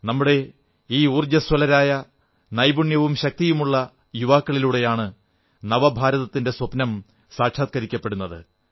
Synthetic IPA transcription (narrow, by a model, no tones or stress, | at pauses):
nɐmːuɽe̞ | iːuːrd͡ʑɐswɐlɐɾaːjɐ | nɐjbuɳjɐʋumɕɐk̚t̪ijumuɭːɐ | juʋaːkːɐɭiluɽe̞jaːɳɨ | nɐʋɐbʱaːɾɐðɐt̪ːinde̞swɐpnɐm | saːkʂaːt̪̚kɐɾikʲːɐpːe̞ɽunːɐðɨ